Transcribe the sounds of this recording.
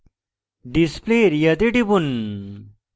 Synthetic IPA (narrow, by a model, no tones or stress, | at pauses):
ɖispleɾjɐt̪̬eʈibun